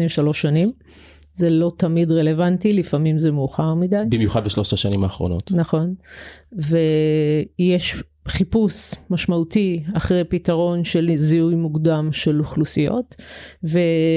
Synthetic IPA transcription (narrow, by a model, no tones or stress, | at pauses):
eʃalo̞ʃːanim | zelo̞tɐmidʁele̞vantilifamimzemuːχaʁmidajbimjuχad̪̚beʃlo̞ʃaʃanimaːχʁo̞̰no̞t̪naχo̞n | ve | jeʃ | χipusmaʃmautiaχʁejpitaʁo̞nʃelziujmuɡdamʃe̞luχlusijo̞̰tve